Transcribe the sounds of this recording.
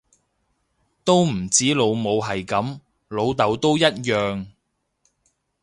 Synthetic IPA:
t̪o˥wm̩˨˩t͡siː˨˥lo˨˧wmo˨˧wɦɐ˨jkɐ˨˥m | lo˨˧wt̪ɐ˨˧wt̪o˥wjɐ˥t̚jœː˨ŋ

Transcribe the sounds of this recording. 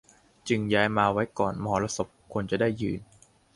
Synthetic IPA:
t͡ɕɯ˧ŋjaː˦˥jmaː˧wa˦˥jkɔː˨˩nmɔ˧ɦɔː˩˦la˧˥so˨˩p̚kʰːu˧nt͡ɕa˨˩daː˥˩jːɯː˧˩n

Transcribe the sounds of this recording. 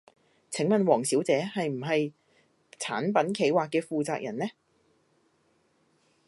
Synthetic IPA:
t͡sʰɪ˨˥ŋmɐ˨˧nwɔː˨˩ŋsiː˨˥wt͡sɛː˨˥hɐ˨jm̩˨˩ɦɐ˨j | t͡sʰaː˨˥npɐ˨˥nkʰe˨˥jwaː˨kːɛː˧fuː˨t͡saː˨˧k̚jʔɐ̰˨˩nlɛ˥

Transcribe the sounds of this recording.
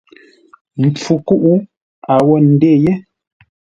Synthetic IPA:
m̩˨p͡fu˨ku˦ʔu˦ | a˨wɔ˦˨n̩˨de˦˨je˦

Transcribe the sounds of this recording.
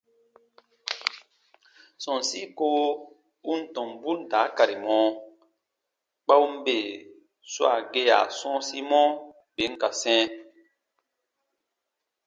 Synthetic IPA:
sɔ̃˨nsi˦ko˦ | u˦n˦tɔ̃˨mbu˦n˨ta˨˦ka˨ɾi˨mɔ̃ː˦ | k͡pa˦u˦m˦be˨ | swa̰˨ɡe˦a̰˨sɔ̃˦si˦mɔ̃˦ | be˨˦ŋ˦ka˨sɛ̃ː˦

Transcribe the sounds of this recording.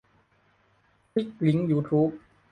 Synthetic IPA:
kʰi˦˥k̚li˨˦˥ŋjuː˧˥t̪ʰuː˦˥p̚

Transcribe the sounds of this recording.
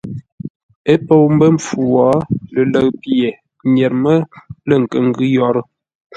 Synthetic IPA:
e˦po˦wm̩˦bə˦ɱ̩˨fu˨wɔ˨˦lə˨lə˦˨kpje˨ | ɲɛ˨ɾmə˦lə˦˨ŋ̩˨kə˨ŋ̩˦ɡʉ˦jɔ˨˦ɾə˦

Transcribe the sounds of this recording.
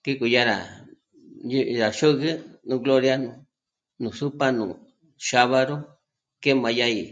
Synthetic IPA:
ki˦ku˧˨ja˦ɾa̰˨ | ju˦˧ɾa˨ʃu˦ɣɨ˦nũ˧ɡlo˦ɾja˦nũ˧ | nũ˨su˦pa˦nṵ̃ː˨ | ʃa˧βa˧ɾo˦ | ke˦mã˧ja˦i˨

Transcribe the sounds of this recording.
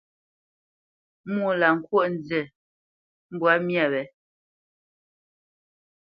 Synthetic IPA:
mu˦˨la˨ŋ̩˨kwo˦˨ʔn̩˨d͡zɛ˨ | m̩˦bwa˨˦mja˨βɛ˨

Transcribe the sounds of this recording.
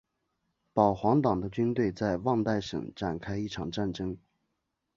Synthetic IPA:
pɑ˨˩ʊxwɑ˧˥ŋt̪ɑ˨˩ŋd̪ə˦t͡ɕy˥nt̪we˥˧ɪt͡sa˥˧ɪwɑ˥˧ŋt̪a˥˩ɪʂɤ̰˨˩ŋʈ͡ʂa˨˩nkʰa˥ɪi˥˩ʈ͡ʂʰɑ˨˩ŋʈ͡ʂa˥˩nʈ͡ʂɤ˥ŋ

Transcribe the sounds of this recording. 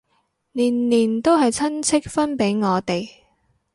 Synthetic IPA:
niː˨˩nliː˨˩nt̪o˥wɦɐ˨jt͡sʰɐ˥nt͡sʰɪ˥k̚fɐ˥npe˨˥jŋɔː˨˧t̪e˨j

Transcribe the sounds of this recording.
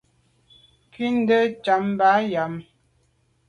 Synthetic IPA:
ki˦n˦də˦t͡ʃa˨˦m˦ba˨˦ja˨˦m

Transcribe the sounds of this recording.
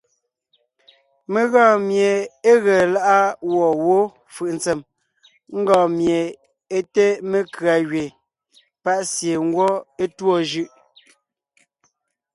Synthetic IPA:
me˨ɣɔ̃ː˦˨mje˨e˦ɣɛ˨la˦ʔa˦wɔ˨wo˦ | fɯ˨ʔn̩˨t͡se˨m | ŋ̩˦ɡɔ̃ː˨mje˨ | e˦te˦me˦kɰa˨ɣɥe˨ | pa˦ʔsje˨ŋ̩˦ɡwɔ˦e˦twɔ˦˨ʒɯ˦ʔ

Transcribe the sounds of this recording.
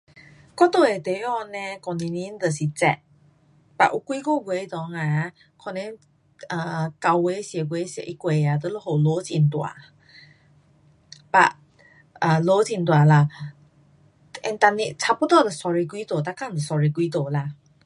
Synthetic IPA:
kɔ˦t̪o˨e˨˩t̪e˨˦ɔ˦˧˨nɛ̃˧kɔ˨ni˧ni˧˦n̩˦t̪ə˨si˨t͡sɛ̰˧˨ʔ | pa̰˨ʔu˧˦kwi˦ko˥˦˨ɡʷe˧˦t̪ɔ˨˦ŋa˧˨ | kʰɔ˧˨nɛ̃˧˦ | ə˨ka˧wɡe˧˦si˨˧ə˨ɡwe˧˦si˧ə̰˨ʔi˦kwe˨˧˦a˨t̪ə˧˦lo˦ho˨lo˧˦t͡sḭ˧˨n˨t̪wa̰˨ | pa̰˧˨ʔ | ə˨lo˨˦t͡si˧˨nt̪wa˨˩la˧ | ɛ̰˧nt̪a˧ni˧t͡sʰa˧pə˦t̪ɔ˧˨d̪ə˨sɔ˧ɹi˧kwi˦t̪o˨t̪a˧ka˦˨n˨d̪ə˨sɔ˧ɹi˧kwi˦t̪o˨la˧˨

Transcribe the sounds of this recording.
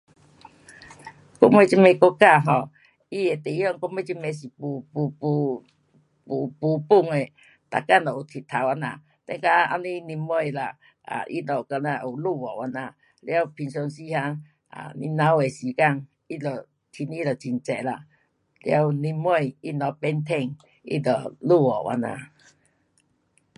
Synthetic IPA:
kɔ˦˥me˧˦t͡ɕi˧me˧ko˦ka˥˧˨ɦɔ˧˨ | i˧˨e˨t̪e˨˦ɔ˧ŋkɔ˦me˧˦t͡ɕi˦me˧˦s̬i˨pu˧˦pu˧pu˧ | pu˨˧pu˧˦pu˥˧˨ŋe˨ | t̪a̰˨ka˦˨nlɔ˨u˨˩t̪ʰi˨t̪ʰːa˨˦wa˧na̰˧˨ | t̪ɛ˧˦ŋka˧a̰˧nĩ˦ni˧mːɔ˧jla̰˨ | a̰˨ʔḭ˦nɔ˨ka˧nã˧˨ʔu˨lu˧˨wɔ̰˨wa˧nã˧ | lja˧wpʰi˧nsɔ˧nsi˦ha˧˦ | a̰˨˧ni˧nã˧˦we˨si˨˦ka˧˨ŋ | i˦lə˨ | t̪ʰi˧nĩ˦lə˨˩t͡ɕi˧˨nt͡sɛ˨la̰˨ | lja˧wnĩ˧mː˦ɔ˧˨ji˦nɔ˨˧˦pɛ˦nt̪ʰɛ˧˨ŋ | ḭ˦də̰˨˩lu˦˧˨wɔ̰˨wʔa̰˧nã̰˧˨

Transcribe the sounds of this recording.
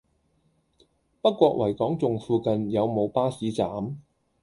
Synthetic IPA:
pɐ˥kːʷɔː˧k̚wɐ˨˩jkɔː˨˥ŋt͡sʊ˨˧ŋfuː˨˧kɐ˨˧njɐ˨˧wmo˨˧wpaː˥siː˨˥t͡saː˨˥m

